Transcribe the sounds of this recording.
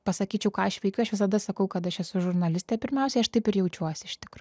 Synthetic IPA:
pɐsɐkʲiːt͡ʃʲɛʊkɑːɐʃʋʲɛɪkʲɐʊɐʃʋʲɪsɐd̪ɐsɐkɐʊkɐt̪ɐʃɛsʊʒʊɾnɐlʲɪsʲt̪ʲɛːpʲɪɾʲmʲɛʊsʲɛɪɐʃt̪ɐɪpɪɾjɛʊt͡ʃʲuɔsʲɪɪʃʲt̪ʲɪkɾɐ

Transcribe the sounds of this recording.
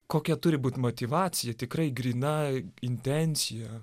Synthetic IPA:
koːkʲɛt̪ʊɾʲɪbuːt̪ʲmot̪ʲiʋɑːt͡s̪ʲɪjɛt̪ʲɪkrɐɪɡɾʲiːnɐɪnʲt̪ʲɛnʲsʲɪjɛ

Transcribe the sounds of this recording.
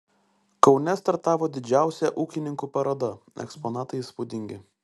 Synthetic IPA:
kɒʊnʲɛst̪ɐɾt̪ɑːʋoːd̪ʲɪd͡ʒʲæˑʊsʲɛʔuːkʲɪnʲɪŋkupɐɾɐd̪ɐɛ̰kspɔnɑːt̪ɐɪspʊd̪ʲɪŋʲɡʲɪ

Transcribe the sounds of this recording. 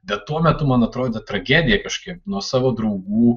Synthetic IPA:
bʲɛt̪t̪ːuɔmʲɛt̪ʊmɐnɐt̪ɾoːd̪ʲɛt̪ɾɐɡʲæːd̪ʲɪjɛkɐʃkʲiːp̚nuɔsɑːʋoːd̪ɾɐʊɡuː

